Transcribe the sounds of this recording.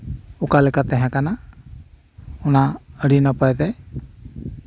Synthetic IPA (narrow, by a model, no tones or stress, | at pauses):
ukalɛkat̪ɛɦɛ̃kana | unaəɽinapajd̪ɛj